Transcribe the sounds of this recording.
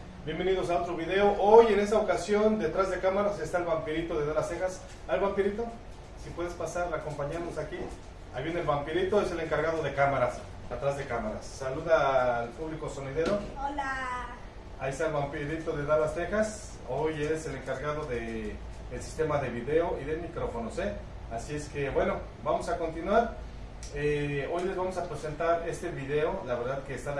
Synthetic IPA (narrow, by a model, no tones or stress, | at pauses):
bje̞mbe̞niðo̞sao̞t̪ɾoβiðe̞o̞ʔojene̞st̪aokasjo̞nd̪e̞t̪ɾazðe̞kamaɾase̞st̪aelβampiɾit̪o̞ðeðaɾlast̪e̞xas | ajlβampiɾit̪o̞ | sipwe̞ðespasaɾlako̞mpaɲaɾnosaki | a̰jβjenelβampiɾit̪o̞ese̞le̞ŋkaɾɣaðo̞ðe̞kamaɾas | at̪ɾazðekamaɾa̰sːaluðaːlpuβliko̞so̞niðe̞ɾo̞ola | aiest̪aelβampiɾit̪o̞ðeðaβast̪e̞xas | oje̞se̞le̞ŋkaɾɣað̞o̞ðe | elsi̥st̪e̞maðe̞βiðe̞o̞iðe̞mikɾo̞fo̞nose | asie̞ske̞bwe̞no̞ | bamo̞sako̞nt̪inwaɾ | eo̞jlezβamo̞sapɾese̞nt̪aɾe̞st̪e̞βiðe̞o̞laβe̞ɾðaðkeːst̪an